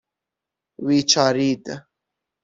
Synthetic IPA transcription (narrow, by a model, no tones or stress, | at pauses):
wit͡ʃaːɾiːd̪ə